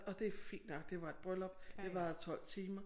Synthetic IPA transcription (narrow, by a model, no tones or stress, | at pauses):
ɒ̽d̥e̝æfḭːnd̥nɒ̽ɡ̥d̥e̝ʋɑ̈e̝d̥̚b̥ʁœlɒ̽b̥d̥e̝ʋɑ̈t͡sʰɒ̽l̰t͡sʰiːmɐ